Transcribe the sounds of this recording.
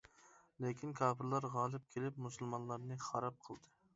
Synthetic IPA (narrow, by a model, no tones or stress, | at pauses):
lekʲʰinkʰɑːpɪɾlˠɑɾʁɑːlˠɨp̚kʲʰelɪpmusɨlˠmɑnlˠɑɾnɨχɑɾɑp̚qʰəlˠd̪ɨ